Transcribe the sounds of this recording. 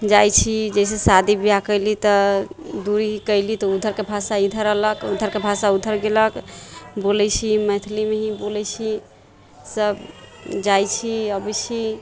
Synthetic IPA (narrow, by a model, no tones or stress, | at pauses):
d͡ʒajt͡ʃʰid͡ʒəjsesad̪ibijakəɪlit̪ɔd̪uɾiɦikəɪlit̪ɔud̪ʱəɾkebʱasaid̪ʱəɾəɦləkud̪ʱəɾkebʱasaud̪ʱəɾɡeləkbolɛjt͡ʃʰimət̪ʰlimeɦĩbolɛjt͡ʃʰi | səbd͡ʒajt͡ʃʰiəbət͡ʃʰi